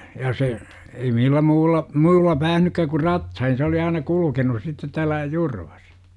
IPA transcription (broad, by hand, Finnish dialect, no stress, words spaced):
jɑ se ei milːæ muːlːɑ muːlːɑ pæːhnykːæ ku rɑtsɑin se oli ɑinɑ kulukenus sitːet tæːlˑæ jurʋ̥ɑ̥s